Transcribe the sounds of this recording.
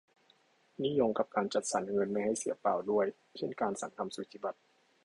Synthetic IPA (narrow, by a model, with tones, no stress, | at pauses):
ni˥˨jo˧ŋka˨˧˩p̚kaː˧nt͡ɕa˨˩t̪̚sa˩˦nŋɤ˧nma˧jha˧˥˩jsi˨˦ɐpaː˨˩wdu˥˩əj | kʰe˧˥˨nkaː˧nsa˨˩˦ŋkʰa˧msu˨˩˦t̪ʰiː˧˩ba˨˩t̪̚